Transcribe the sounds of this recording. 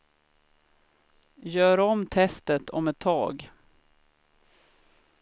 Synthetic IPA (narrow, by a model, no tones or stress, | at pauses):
jœːɾɔmt̪ʰɛst̪ət̪ʰɔ̰mɛt̪ʰːɑ̰ːɡ